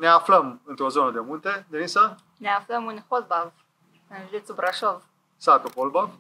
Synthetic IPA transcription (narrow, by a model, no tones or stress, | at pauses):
neafləmɨnt̪ɾozonəd̪emunt̪ed̪enisa | neafləmɨnʲxolbav | ɨnʒd̪et͡subɾaʃov | sat̪opolbav